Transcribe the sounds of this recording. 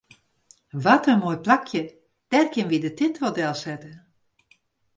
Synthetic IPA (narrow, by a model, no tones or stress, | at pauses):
ʋatənmojplakʰjə | d̥ɛrkjɪnʋidətɪntʋodɛlˠsɛtə